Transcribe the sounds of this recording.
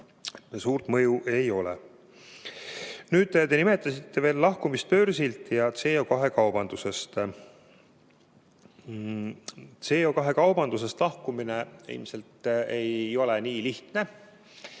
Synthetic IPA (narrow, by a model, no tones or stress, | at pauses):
suːrt̪mɤjuʔe̞jo̞lḛ | nyːd̪t̪e̞nime̞t̪ˑːɑsit̪ːe̞ve̞ːlːɑhkumist̪̚pø̞ɾsilt̪jɑt̪se̞o̞kɑɦe̞kɑwb̥ɑnd̪use̞st̪ | t̪se̞ːokɑɦe̞kɑwb̥ɑnd̪̥use̞st̪lɑhkumineḭlmse̞lt̪e̞jo̞leniːliht̪ne̞